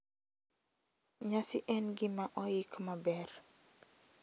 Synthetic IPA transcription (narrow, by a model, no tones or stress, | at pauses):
ɲasiʔɛnɡimaʔɔjikmabɛr